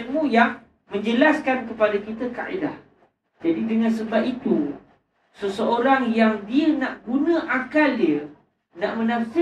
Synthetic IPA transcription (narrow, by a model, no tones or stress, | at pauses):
mũjaŋ | mə̃ɲd͡ʒəlaskankəpadakit̪əka̰ʔḭda̰h | d͡ʒadidəŋãnsəbapit̪u | səsəoɾaŋjaŋdiənãʔɡunə̃ʔakaldiə | naʔmə̃nãfi